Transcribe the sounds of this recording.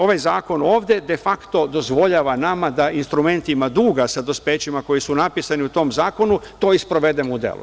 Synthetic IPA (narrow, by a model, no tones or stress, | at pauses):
o̞ʋajzaːko̞no̞ːʋd̪ed̪e̞fakt̪o̞d̪o̞zʋo̞ʎaːʋanamad̪ainst̪ɾume̞nt̪imad̪uːɡasad̪ospeːt͡ɕimako̞jisunapisaniut̪o̞mzaːko̞nut̪o̞ːispɾo̞ʋe̞d̪emoud̪ḛlṵ